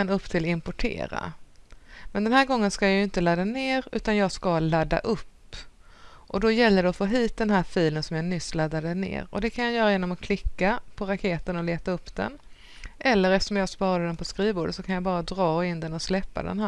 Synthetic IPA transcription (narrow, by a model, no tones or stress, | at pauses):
anɵpːt̪ʰɪlɪmpɔʈʰḛːɾa̰ | mɛnd̪ɛnɦæːɾɡɔŋːənskajɑjɪnt̪əlad̪ːaneːɾʉ̟ːt̪anjɑːɡskalad̪ːa̰ʔɵpː | ʔɔd̪ɔjɛlːəɖɛɔfoːɦiːt̪̚d̪ɛnɦæːɾfiːlənsɔmjɑnʏsːlad̪ːad̪ənḛːɾɔ̰d̪ɛkʰanjajœːɾajeːnɔmɔkʰlɪkːapʰɔɾakʰeːt̪ənɔleːt̪aɵpːd̪̥ɛ̰n | ʔɛlːəɾɛft̪əʂɔmjɑːɡspɑːɾad̪ɛnpʰɔskɾiːvoːɖət̪sɔkʰanjabɑːɾad̪ɾɑːɪnd̪ɛnɔslɛpːa̰d̪ɛ̰nɦæ